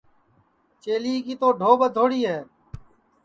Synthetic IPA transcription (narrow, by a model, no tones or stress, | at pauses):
t͡ʃeːliːkiːt̪oːɖʱoːbəd̪ʱoːɽiːɦɛː